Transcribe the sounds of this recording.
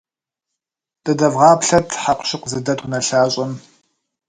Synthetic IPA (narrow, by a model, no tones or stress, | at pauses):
d̥ɐdɐvʁɑːpɬɐtʰħaqʷɕɪqzɨdɐtʰʼʊnɐɬaːɕʼɐm